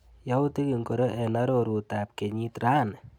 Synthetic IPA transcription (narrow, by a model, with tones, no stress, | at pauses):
ja˦wt̪i˦ki˨ŋko˨ɾɔ˦ʔɛ˨naɾoɾu˨t̪a˨p̚ke˨ɲit̪ɾa˦n